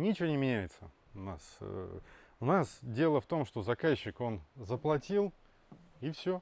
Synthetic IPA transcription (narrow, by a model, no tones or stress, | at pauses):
nʲɪt͡ɕɪvʲonʲɪmʲɪnʲæjɪt̪sə | ʊna̰s | ʊnasdʲe̞lˠəft̪o̞mʂt̪o̞zɐkaɕːɪko̞nzəplˠɐtʲilˠ | ifsʲo̞